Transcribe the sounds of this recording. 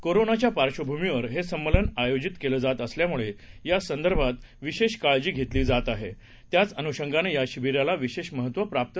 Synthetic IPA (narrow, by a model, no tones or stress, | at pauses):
koɾonat͡ɕjapaɾɕʋəbʱumiʋəɾɦesəmːələnajod͡ʑit̪keləːd͡zat̪əsljamuɭejasənd̪əɾbʱat̪ | ʋiɕeɕkaɭd͡ʑiːɡʱet̪liːd͡zat̪aɦe | t̪jat͡sənuɕəŋɡanejaɕibiɾjalaʋiɕeɕməɦət̪ʋəpɾap̚t̪